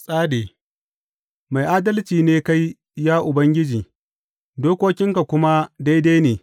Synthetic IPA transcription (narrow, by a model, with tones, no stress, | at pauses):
sʼaː˦deː˨ | ma˨jʔaː˦dɐ˦lt͡ʃiː˨neː˦ka˦j | jaː˦ʔʊ˨bɐ˦ŋɡʲɪ˦d͡ʒiː˨ | doː˦kʷoː˦kʲɪ˦ŋka˨kʷʊ˦ma˦da˦jda˦neː˨